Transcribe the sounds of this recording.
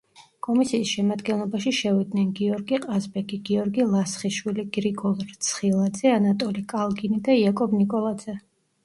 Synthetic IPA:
kʼɔmisiːsʃɛmad̪ɡɛnlˠɔbaʃiʃɛvid̪nɛnɡiɔɾɡiqʼazbɛɡiɡiɔɾɡilˠasχiʃwiliɡɾiɡɔlˠɾt̪sʰχilˠad̪zɛanat̪ʼɔlikʼalˠɡinid̪aiakʼɔbnikʼɔlˠad̪z̥ɛ

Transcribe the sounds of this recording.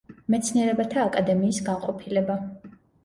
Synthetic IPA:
mɛt̪sʰniɛɾɛbat̪ʰaːkʼad̪ɛmiːsɡanqʼɔpʰilɛba

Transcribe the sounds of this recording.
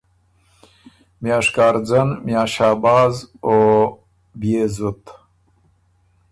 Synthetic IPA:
mjaːʂkaːɾd͡zɐnmjaːʃaːbaːzo | bjezut̪

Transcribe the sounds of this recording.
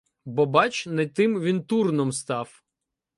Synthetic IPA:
bɔbɑt͡ʃnɛt̪ɪmʋʲint̪urnɔmst̪ɑw

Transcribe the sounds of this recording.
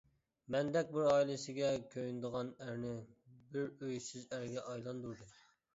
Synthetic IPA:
mɛnd̪ɛk̚ʲbɪɾɑːilˠɨsɪɡʲɛkʲʰøjnd̪əʁɑnæɾnɪbɪɾøjsyzæɾɡʲɛʔɑjlˠɑnd̪uɾd̪u

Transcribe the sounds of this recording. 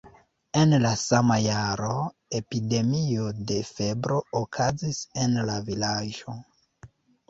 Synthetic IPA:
e̞nlasamajaɾo̞ | e̞pide̞miode̞fe̞bɾo̞okʰazise̞nlavilaʒo̞

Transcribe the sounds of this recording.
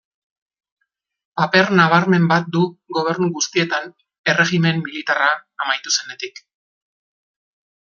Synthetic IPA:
pape̞ɾnaβ̞aɾme̞mbat̪̚d̪uɣo̞β̞e̞ɾnuɣust̪ie̞t̪an | e̞re̞ɣime̞mːilit̪araːmajt̪use̞ne̞t̪ik

